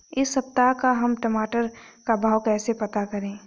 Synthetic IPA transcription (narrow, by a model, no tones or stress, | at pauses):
ɪsːɐpt̪akaɦɐmʈɐmaːʈəɾkabʱaːwkɛːsepɐt̪akɐɾẽː